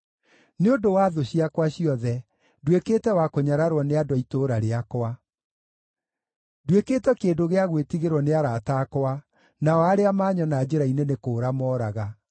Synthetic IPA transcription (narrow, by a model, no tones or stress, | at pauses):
neondowaːðoɕiakwaɕiɔðɛ | dwekeːtɛwakoɲaɾaɾwɔneadwɔitoɾaɾeakwa | dwekeːtɛkedoɣeaɣwetiɣeɾwɔneaɾaːtaːkwa | naɔaɾeamaːɲɔnad͡ʑeɾainenekoːɾamɔːɾaɣa